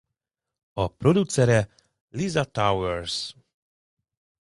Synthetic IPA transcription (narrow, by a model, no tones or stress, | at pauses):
ɔpɾɔd̪ut̪sɛɾɛ | lizat̪awɛɾs